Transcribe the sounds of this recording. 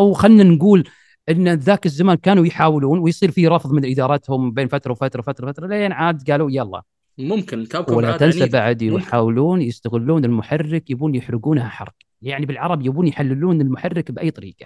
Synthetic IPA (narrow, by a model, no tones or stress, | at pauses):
wxanːanɡuːl | ʔɪnːðaːkɪzːamaːnkaːnujħaːwluːnwɪjsˤiːɾfiɾˤɑfðˤmɪnʔɪd̪ɑːɾˤɑt̪hʊmbeːnfat̪ɾˤɑwfat̪ɾˤɑwfat̪ɾˤɑwfat̪ɾˤɑleːnʕaːd̪ɡaːluːjalˤːɑ̰ː | mʊmkɪnawlːat̪ansabaʕd̪wħaːwluːnjɪst̪aɣɪlːuːnɪlmʊħarːɪkjabuːnjɪħɾɪɡuːnhaħɑ̰ɾˤq | jaʕnibɪlʕɑɾˤɑbjabuːnjħalːɪluːnɪlmʊħarːɪkbʔa̰jt̪ˤɑɾiːqɑ̥